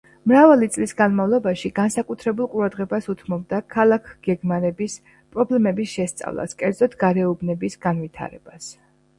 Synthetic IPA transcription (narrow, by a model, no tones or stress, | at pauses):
mɾavalit̪sʼlisɡanmavlˠɔbaʃiɡansakʼut̪ʰɾɛbulˠqʼuɾad̪ʁɛbasut̪ʰmɔb̚d̪akʰalˠakʰɡ̥ɛɡmaɾɛbis | pʼɾɔblɛmɛbisʃɛst̪sʼa̰vlˠa̰skʼɛɾd̪zɔt̪ʰɡaɾɛubnɛbisɡanvit̪ʰa̰ɾɛ̰b̥as